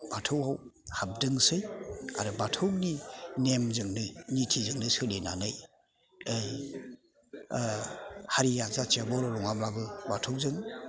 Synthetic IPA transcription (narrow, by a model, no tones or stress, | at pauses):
b̥atʰɔwhaw | hab̚dɯŋsɯja̰ɾɯbatʰɔwninemzɯŋnɯnitʰizɯŋnɯsɯlena̰nɯj | ɯj | haɾiazat͡ʃiabɔɾɔlɔŋamlabɯbatʰɔwzɯŋ